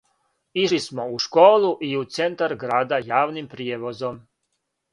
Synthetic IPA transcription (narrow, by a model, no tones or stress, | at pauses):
iʃismo̞uʃkoːluʔiut̪se̞nt̪aɾɡɾaːd̪ajaːʋnimpɾieʋo̞zom